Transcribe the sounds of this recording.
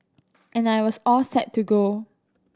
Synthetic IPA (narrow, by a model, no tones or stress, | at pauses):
ʔɛ̃najwɔsɔlsɛtʰːuɡo